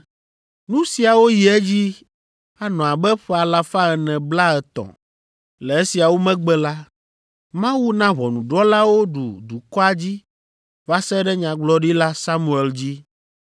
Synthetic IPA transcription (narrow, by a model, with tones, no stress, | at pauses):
nũ˦si˨a˨wo˦ji˨ɛ˦d͡ʑi˦ | a˨nɔ̃˨a˨bɛ˦ɸɛ˨a˨la˨fã˦ɛ˨nɛ̃˨bla˦ɛ˨t̪ɔ̰̃˨ | lɛ˨e˦si˨a˨wo˦mɛ̃˦ɡ͡bɛ˦la˦ | mã˦wu˦nã˦βɔ˨nũ˨ɖɔ˦la˦wo˦ɖu˨d̪u˨kɔ˦a˨d͡ʑi˦ | va˦sɛ˦ɖɛ˦ɲã˨ɡ͡blɔ˦ɖi˦la˦sa˦mũ˨ɛ˨ld͡ʑi˦